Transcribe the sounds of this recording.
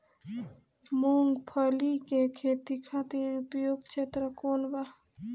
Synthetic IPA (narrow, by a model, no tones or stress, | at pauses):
moŋɡpʰəlikekʰeːt̪ikʰat̪iːɾupjoːɡ̚t͡ʃʰet̪ɾəkoːnba